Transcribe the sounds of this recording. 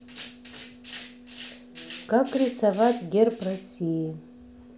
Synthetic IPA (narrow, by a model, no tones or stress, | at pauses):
kʼakʼrisavatʼɡʲerpʰʼrasiji